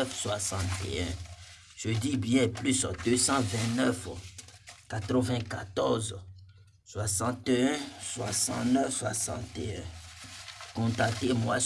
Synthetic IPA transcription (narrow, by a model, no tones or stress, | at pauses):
fswasɑ̃t̪ḛɛ̃ | ʒ̥ød̪ibijɛplysd̪øsɑ̃vɛ̃tnœf | kat̪ɾəvɛ̃kat̪ɔʁz | swasɑ̃t̪eɛ̃swasɑ̰̃t̪nɛfswasɑ̰̃t̪eɛ̃ | kɔ̃t̪ak̚t̪emwa